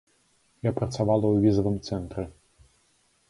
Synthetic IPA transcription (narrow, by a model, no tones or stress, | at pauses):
japɾɐt̪savalˠɐwvʲizɐvɨmt̪sɛnt̪ɾɛ